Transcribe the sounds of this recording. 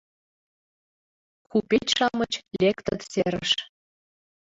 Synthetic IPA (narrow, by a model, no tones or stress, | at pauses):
kupet͡ɕʲʃɑmɤt͡ɕlʲekt̪ə̆t̪seɾə̰̆ʃ